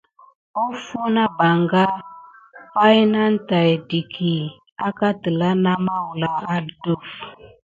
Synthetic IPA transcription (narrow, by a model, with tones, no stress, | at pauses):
o˦fu˦na˦ba˨ŋɡa˦ | pa˦jna˦n˦ta˨jdi˨kʰi˨ | a˦ka˦tə˨la˦na˦ma˦wu˨la˦a˦du˦f